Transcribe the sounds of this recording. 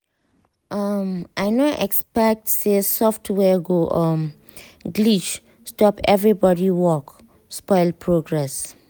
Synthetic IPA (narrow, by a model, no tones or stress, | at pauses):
ʔamʔaɪnoʔɛkspɛk̚tsesɔftʰwɛɡoʔʌm | ɡlit͡ʃ | stɔpɛvɹibɔdiwɔk | spɔjlpʰɹoɡɹɛs